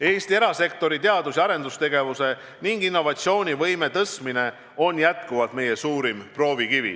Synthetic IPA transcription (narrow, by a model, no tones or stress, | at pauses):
e̞ːst̪ie̞ɾɑse̞k̚t̪o̞ɾit̪e̞ɑd̪usɑɾe̞nd̪ust̪e̞ɡe̞vuse̞ | niŋɡ̥inːo̞vɑt̪sio̞ːnʲivɤjme̞t̪ɤsmine̞ | o̞njæt̪kuvɑt̪me̞jesuːɾimpro̞ːvikivḭ